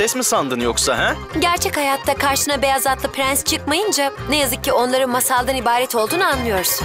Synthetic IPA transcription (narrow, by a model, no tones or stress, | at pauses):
sɛsmisand̪ɯnjoksaɦɛ | ɟæɾt͡ʃʰɛchajat̪ʰːakʰaɾʃɯnabe̞jazat̪lˠɯpɾænst͡ʃʰɯkmajɯnd͡ʒanejazɯk̚cʰːio̞nlˠaɾɯnmasalˠd̪anibaːɾɛt̪ʰo̞lˠd̪uːnuanlˠɯjo̞ɾs